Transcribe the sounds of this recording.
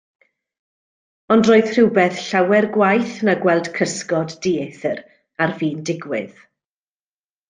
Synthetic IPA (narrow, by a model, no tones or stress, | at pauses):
ɔndroːɨð̥r̥ɪwbɛθɬawɛrɡwajθnaɡwɛlˠd̥kʰəskɔddiːeθəɾ | arviːndɪɡwɪ̰ð